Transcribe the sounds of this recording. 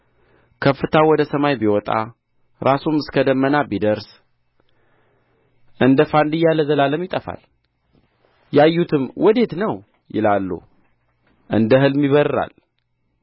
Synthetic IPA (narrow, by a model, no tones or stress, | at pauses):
kʰəfːɨt̪ʰawɔd̪əsəmajbiwɔt̪ʼa̰ | ɾasumɨskʰəd̪əmːənabid̪əɾs | ʔɨnd̪əfand̪ɨjalːəzəlaləmjɪt̪ʼəfa̰l | jajːut̪ʰɨmwɔd̪e̞t̪nəw | jɪ̰lalːṵ | ʔɨnd̪əɦɨlmiβəɾa̰l